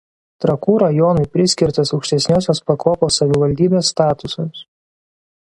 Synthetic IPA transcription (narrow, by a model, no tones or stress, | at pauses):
t̪ɾɐkuːɾɐjɔːnɐɪpʲɾʲɪsʲkʲɪɾʲt̪ɐsɐʊkʃʲt̪ʲɛsʲnʲoːsʲoːspɐkoːpoːsɐʋʲɪʋɐlʲd̪ʲiːbʲeːsːt̪ɑːt̪ʊsomʲs